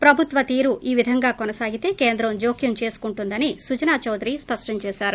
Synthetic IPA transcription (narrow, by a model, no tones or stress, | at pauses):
pɾɐbʱut̪ʋɐt̪iːɾuʔiːʋid̪ʱɐŋɡaːkonɐsaːɡit̪e̞ːkeːnd̪ɾɐmd͡ʒo̞ːkʰjɐmt͡ʃe̞ːsu̥kuɳʈund̪ɐnisud͡ʒɐnaːt͡ʃɐwd̪ɾiːspɐʂʈɐɲt͡ʃeːʃaːɾu